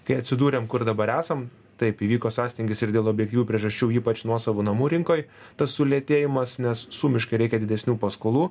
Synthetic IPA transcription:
kɐɪɐt̪ʲsʲɪd̪uːɾʲeːmkʊɾd̪ɐbɐɾæːsɐm | t̪ɐɪpiːʋʲiːkoːsɑːsʲt̪ʲɪŋɡʲɪsɪɾd̪ʲeːlˠoːbʲjɛk̚tʲiːʋʲuːpʲɾʲiɛʒɐsʲt͡ʃʲuːiːpɐt͡ʃnuɔsɑʋoːnɐmuːɾʲɪŋkoːj | t̪ɐsːʊlʲeɛt̪ʲeːjɪmɐsnʲɛssuːmʲɪʃkɐɪɾʲɛɪkʲɛd̪ʲɪd̪ʲɛsʲnʲuːpɐskoːlˠuː

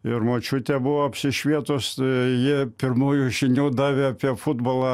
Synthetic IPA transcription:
ɪrmoːt͡ʃʲʊt̪ʲɛbʊʋoːɐpʲsʲɪʃʲʋʲiɛt̪oːstjipʲɪrmuːjuːʒʲɪnʲuːd̪ɑːʋʲeːɑpʲiɛfʊd̪boːlˠɑː

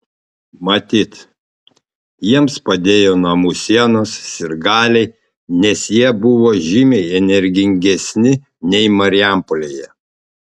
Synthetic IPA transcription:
mɐt̪ʲiːt̪ | jiɛmspɐd̪ʲeːjoːnɐmuːsʲiɛnoːsːʲɪɾɡɑːlʲɛɪ | nʲɛsjiɛbʊʋoːʒʲimʲɛɪɛnʲɛɾʲɡʲɪŋʲɡʲɛsʲnʲɪ | nʲɛɪmɐɾʲɪæˑmpolʲeːjɛ

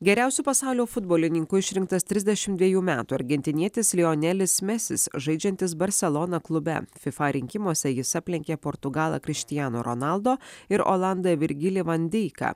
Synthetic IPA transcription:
ɡʲɛɾʲæˑʊsʲuːpɐsɑˑʊlʲoːfʊd̪̚boːlʲɪnʲɪŋkʊɪʃʲɾʲɪŋk̚t̪ɐst̪ʲɾʲɪzʲd̪ʲɛʃʲɪmtd̪ʲʋʲiɛjuːmʲæːt̪uːɐ̰ɾʲɡʲɛnʲt̪ʲɪnʲiɛt̪ʲɪslʲɪoːnʲɛlʲɪsmʲɛsʲɪsʒɐɪd͡ʒʲɛnʲt̪ʲɪsbɐɾʲsʲɛlˠoːnɐklˠʊbʲɛ̰fʲɪfɑɾʲɪŋʲkʲɪmuɔsʲɛjɪsɐpʲlʲɪŋʲkʲepoːɾt̪ʊɡɑːlˠɐ̰kʲɾʲɪʃʲt̪ʲɪjæno̰ːɾo̰nɑlˠd̪oːɪɾo̰ːlˠɑnd̪ɐʋʲɪɾʲɡʲɪlʲɪʋɐnʲd̪ʲɛɪkɐ̰ː

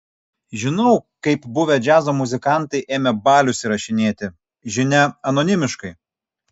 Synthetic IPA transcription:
ʒʲɪnɐʊkɐɪpbʊʋʲɛd͡ʒʲæːzoːmʊzʲɪkɑˑnˑt̪ɐɪʔeːmʲɛbɑːlʲʊsʲɪɾɐʃʲɪnʲeːt̪ʲɪ | ʒʲɪnʲɛɐnɔːnʲɪmʲɪʃkɐɪ

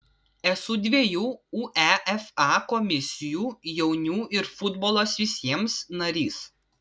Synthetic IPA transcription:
ɛsʊd̪ʲʋʲiɛjuːuːʔɛʔɛfɑːkɔmʲɪsʲɪjuːjɛʊnʲuːʔɪɾfʊd̪bɔːlˠoːsʋʲɪsʲiɛmsnɐɾʲiːs

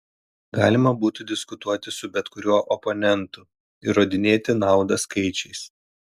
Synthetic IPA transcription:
ɡɑːlʲɪmɐbuːt̪ʲʊd̪ʲɪskʊt̪uɔt̪ʲɪsʊbʲɛt̪kʊɾʲuɔʔɔpɔnʲɛnt̪ʊ | ɪɾoːd̪ʲɪnʲeːt̪ʲɪnɑˑʊd̪ɐskɐɪt͡ʃʲɛɪs

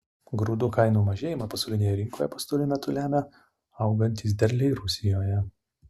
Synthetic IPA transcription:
ɡɾʊd̪ukɐɪnuːmɐʒʲeːjɪmɐpɐsɐʊlʲɪnʲeːjɛɾʲɪŋkoːjɛpɐst̪ɔʊlʲɪmʲɛt̪ʊlʲæːmʲɛ | ɐʊɡɐnʲt̪ʲiːs̬d̪ʲɛɾʲlʲɛɪɾʊsʲɪjoːjɛ

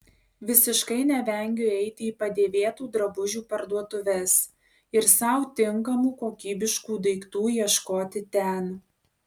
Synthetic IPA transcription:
ʋʲɪsʲɪʃkɐɪnʲɛʋʲɛˑŋʲɡʲʊɛɪt̪ʲɪiːpɐd̪ʲeːʋʲeːt̪uːd̪ɾɐbʊʒʲuːpɐɾd̪uɔt̪ʊʋʲɛs | ɪɾsɐˑʊt̪ʲɪŋkɐmuːkoːkʲiːbʲɪʃkuːd̪ɐɪkt̪uːjiɛʃkoːt̪ʲɪt̪ʲɛn

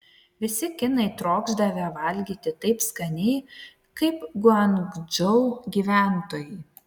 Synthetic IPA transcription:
ʋʲɪsʲɪkʲɪnɐɪt̪ɾoːɡzd̪ɐʋʲɛʋɐlʲɡʲiːt̪ʲɪt̪ɐɪpskɐnʲɛɪ | kɐɪpɡʊɐŋɡd͡ʒɔʊɡʲiːʋʲæˑnt̪oːjɛɪ

